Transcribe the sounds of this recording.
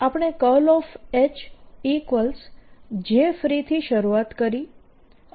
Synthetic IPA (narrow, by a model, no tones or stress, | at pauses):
apəɽ̃ekəlɔfet͡ʃikʋəlsd͡ʒefɾit̪ʰiʃəɾuat̪kəɾi